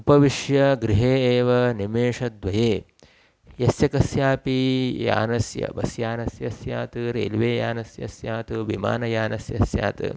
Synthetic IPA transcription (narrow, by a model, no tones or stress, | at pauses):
upɐʋiʂjɐɡɾiɦeːeːʋɐnimeːʂɐd̪ʋɐjeː | jɐsjɐkɐsjaːpija̰ːnɐsjɐ̰bɐ̰sjaːnɐsjɐsja̰ːt̪ɨɾḛːlʋeːja̰ːnɐsjɐ̰sjaːt̪uʋima̰ːnɐjaːnɐsjɐsja̰ːt̪ɨ̰